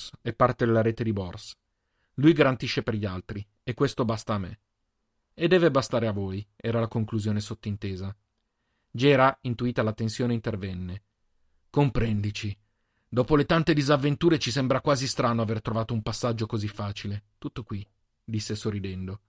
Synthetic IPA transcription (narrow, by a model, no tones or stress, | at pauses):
sɛpːart̪ed̪elaɾeːt̪ed̪ibɔrs | lujɡaɾant̪iʃːeperʎialt̪ɾi | ekːwest̪obast̪aːmːḛ | ed̪ːɛːvebast̪aːɾeavoːjɛːɾalakoŋkluzjoːnesot̪ːoint̪eːza | d͡ʒɛːɾaint̪uiːt̪alat̪ensjoːneint̪ervɛnːe | kompɾɛnd̪it͡ʃi | d̪ɔːpolet̪ant̪ed̪izavːent̪uːɾet͡ʃisɛmbɾakwaːzist̪ɾaːnoavert̪ɾovaːt̪oumpasːad͡ʒːokozifːaːt͡ʃilet̪ut̪ːokwi | d̪isːesorːid̪ɛnd̪o